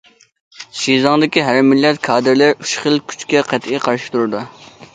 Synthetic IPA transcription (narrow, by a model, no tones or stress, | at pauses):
ʃizɑŋd̪ɪkʲiɦæɾmilːɛt̪kʰɑːd̪ɨɾlɪɾyʃχəlˠkʲʰy̥t͡ʃkʲɛqʰæt̪ʰiqʰɑɾʃɪ̥t̪ʰuɾɨd̪u